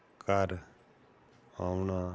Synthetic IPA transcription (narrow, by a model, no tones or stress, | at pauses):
kʰaɾ | amna